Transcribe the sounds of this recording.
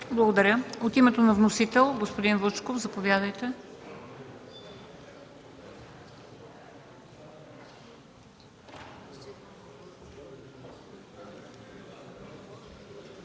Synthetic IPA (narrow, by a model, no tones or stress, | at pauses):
blˠəɡod̪ɐɾʲəot̪imɛt̪onɐvnosit̪ɛlˠɡospod̪invɤt͡ʃkofzɐpovʲjad̪əjt̪ɛ